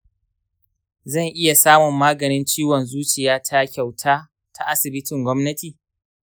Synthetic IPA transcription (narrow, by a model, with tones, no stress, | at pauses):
zɐ˦˨ŋʔɪ˦ja˨saː˦mʊ˨mːaː˦ɡɐ˨nɪ˦nt͡ʃiː˦wɔ˨nzuː˦t͡ʃɪ˨jaː˦tʰa˦kʲa˨wtʰaː˦ | tʰa˦ʔa˦sɪ˨bɪ˦tɪ˨ŋɡʷɔ˦mnɐ˦tiː˨